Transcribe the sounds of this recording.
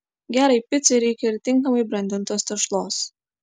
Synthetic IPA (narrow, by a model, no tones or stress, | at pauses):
ɡʲæːɾɐɪpʲɪt̪sʲɛɾʲɛɪkʲɛɪɾʲt̪ʲɪŋkɐmɐɪbɾɐnʲd̪ʲɪnˑt̪oːst̪ʲɐʃlˠoːs